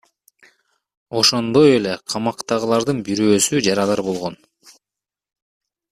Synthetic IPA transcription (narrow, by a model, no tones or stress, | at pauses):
o̞ʃo̞nd̪o̞je̞le̞qʰɑmɑqt̪ɑʁɯlˠɑɾd̪ɯnbiɾøːsyd͡ʒɑɾɑlˠɑɾbo̞lˠʁo̞n